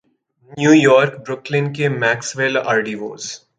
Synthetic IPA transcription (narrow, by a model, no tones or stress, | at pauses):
njuːjɔːɾkbɾʊklɪnkemɛːksʋɪla̰ːɾɖiːʋo̰ːz